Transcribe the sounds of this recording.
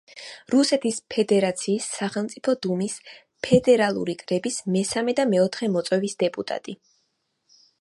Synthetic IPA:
ɾusɛt̪ʰispʰɛd̪ɛɾat̪sʰiːsːaχɛlˠmt̪sʼipʰɔd̪umis | pʰɛd̪ɛɾalˠṵɾikʼɾɛbismɛsamɛd̪amɛɔt̪ʰχɛmɔt̪sʼwɛvisd̪̥ɛpʼut̪ʼa̰t̪ʼi

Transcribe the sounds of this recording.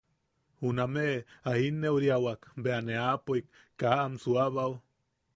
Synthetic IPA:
hunameʔahinːeuɾiawakbeaneapoikː | aamsuaβaw

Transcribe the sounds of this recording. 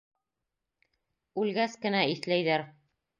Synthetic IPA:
ʉlɡæskɘ̆næiθlæjðæɾ

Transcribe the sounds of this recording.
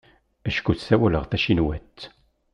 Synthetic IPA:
æʃkuθsæwæləʁθæʃinwæt̪ː

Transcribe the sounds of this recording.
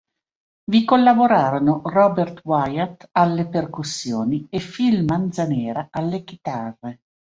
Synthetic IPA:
vikolːaboɾaːɾonorɔbert̪wajat̪alːeperkusːjoːniefilmand̪zanɛːɾaalːekit̪arːe

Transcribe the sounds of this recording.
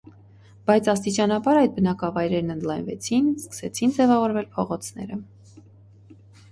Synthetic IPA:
b̥ɑjt͡sʰɑst̪it͡ʃɑnɑbɑɾɑjd̪̚bənɑkɑvɑjɾɛɾnənd̪lɑjnvɛt͡sʰinskə̥sɛt͡sʰind͡zɛvɑvɔɾvɛlpʰɔʁɔt͡sʰnɛ̰ɾə

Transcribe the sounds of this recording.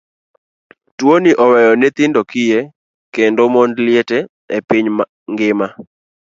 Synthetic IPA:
twoniʔɔwɛjɔnɛt̪ɪndokɪje | kendomondlɪetɛ | epiɲm | ŋɡɪma

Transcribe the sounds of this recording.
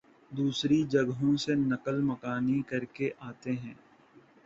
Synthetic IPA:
d̪uːsɾid͡ʒɐɡɦõsenɐkəlmɐkaːnikɐɾkeʔaːt̪eɦɛ̃ː

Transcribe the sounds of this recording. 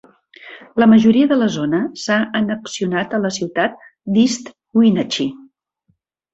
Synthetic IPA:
ləməʒuɾiəðələzonəsaənəksiunat̪ələsiwt̪at̪̚ | d̪ist̪ | uinət͡ʃi

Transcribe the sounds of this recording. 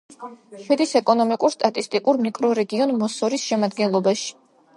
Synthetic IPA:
ʃwɛd̪isɛkʼɔnɔmikʼuɾst̪ʼat̪ʼist̪ʼikʼuɾmikʼɾɔɾɛɡiɔnmɔsɔɾisʃɛmad̪ɡɛnlˠɔbaʃi̥

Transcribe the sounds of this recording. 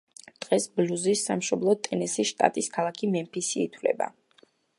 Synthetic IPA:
d̪̥ʁɛsbluzisːamʃɔblˠɔt̪ʼɛnɛsisʃt̪ʼa̰t̪ʼiskʰalˠakʰimɛmpʰisiːt̪ʰwlɛ̰ba̰

